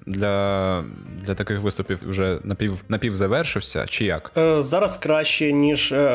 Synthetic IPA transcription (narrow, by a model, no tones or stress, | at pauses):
d̪lʲɐ | d̪lʲɐt̪ɐkɪxʋɪst̪ʊpʲiwwʒɛnɐpʲiwnɐpʲiwzɐʋɛrʃɪwsʲɐ̰t͡ʃɪja̰kzaɾɐskɾaɕːɛnʲiʂ